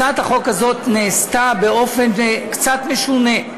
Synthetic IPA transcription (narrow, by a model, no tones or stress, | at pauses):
at̪haχo̞khazo̞t̪neːst̪abeo̞fe̞nkt͡sat̪meʃune